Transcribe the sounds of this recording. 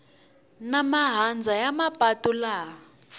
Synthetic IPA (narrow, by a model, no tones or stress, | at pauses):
namaɦand͡zʱajamapʼatula